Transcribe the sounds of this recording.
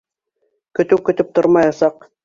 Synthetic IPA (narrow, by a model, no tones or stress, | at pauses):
kɵ̆t̪ɘwkɵ̆t̪ɘp̚t̪oɾmɑjɑsɑq